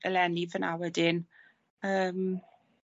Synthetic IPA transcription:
əlɛnivənawɛdɪn | əːm

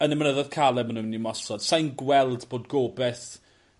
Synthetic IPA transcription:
ənɛmnəðɔð̥kʰalˠɛmənunːimɔsɔd̥sajnɡwɛlˠdboːdɡoːbɛθ

